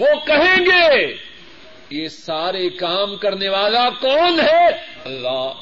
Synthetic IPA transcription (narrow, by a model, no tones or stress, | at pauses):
ʋokɐɦẽːɡeː | jeːsaːɾekaːmkɐɾneʋaːlakɔːnɦɛ | ɐlːaː